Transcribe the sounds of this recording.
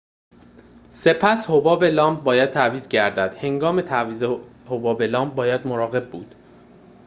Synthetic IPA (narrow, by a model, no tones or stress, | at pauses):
se̞pʰæshobɒːbelɒːmb̚bɒːjæd̪̥̚t̪ʰæviːzɟæɾd̪æd̪̥he̞ŋɡɒːme̞t̪ʰæviːzehobɒːbe̞lɒːmb̚bɒːjæd̪moɾɒːɣe̞b̚buːd̪̥